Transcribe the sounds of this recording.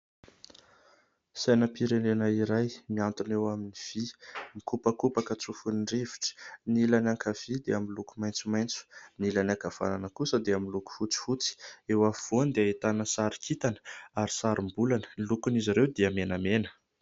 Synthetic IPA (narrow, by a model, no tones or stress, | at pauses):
sajnəpiɾenenaiɾajmiant̪unewaminiv̥imikupəkupakət͡sufunrevi̥ʈ͡ʂi̥nilanaŋkʰav̥id̪eamilukumajnt͡sumajnt͡su̥nilanakav̥a̰nanəkusəd̪eaminluku̥fut͡si̥fut͡si̥ewaviv̥ond̪eait̪anəsaɾikʰit̪anə̥aɾisaɾimbulanə̥lukuniziɾewd̪eəmenamenə̥